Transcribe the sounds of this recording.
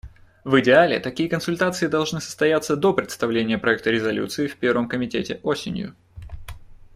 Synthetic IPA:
vɨdʲɪalʲɪ̰t̪ɐkʲijəkənsʊlʲt̪at̪sɨɪd̪ɐlˠʐnɨsə̥st̪ɐjat̪sːəd̪o̞pɾʲɪt̪st̪ɐvlʲenʲɪjəpɾɐɛk̚t̪əɾʲɪzɐlʲṵt̪sɨɪfʲpʲe̞rvəmkəmʲɪtʲḛtʲɪʔo̞sʲɪ̰nʲjʊ̰

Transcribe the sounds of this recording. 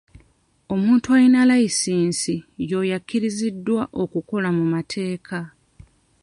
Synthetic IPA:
o̞muːntuaɾinalaisiːnsijo̞ːjakːiɾizidːwaʔo̞kuko̞lamumatʰe̞ːkʰa

